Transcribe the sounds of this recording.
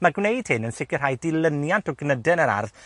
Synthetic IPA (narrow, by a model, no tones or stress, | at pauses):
maɡwnejd̥hɪnənsɪkɨrɦajdɪlˠənjantɔɡnədɛnəɾa̰rð